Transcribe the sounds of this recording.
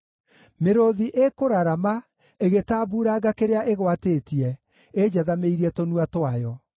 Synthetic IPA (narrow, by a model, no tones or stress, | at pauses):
meɾoðiʔekoɾaɾama | eɣetaːbuɾaɣakeɾeaʔeɣwateːtiɛ | ed͡ʑaðameiɾiɛtonuatwajɔ